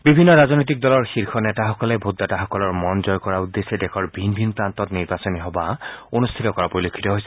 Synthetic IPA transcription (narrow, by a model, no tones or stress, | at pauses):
bibʱinːɔɹaznojt̬ik̚dɔlɔɹxiɹxʰɔnɛtaxɔkɔlɛbʱutdataxɔkɔlɔɹmɔnzɔjkɔɹaud̪ːesɛdɛkʰɔɹbʱinbʱinpɹantɔtniɹbasɔniɦɔbaonust̪ʰitɔkɔɹapoɹilokʰːi̥tɔɦojsɛ̥